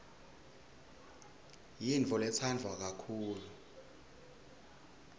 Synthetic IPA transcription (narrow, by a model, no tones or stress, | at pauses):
jint͡fʼɔlɛt͡sʰand͡ɮʱwak̬akʰuːlu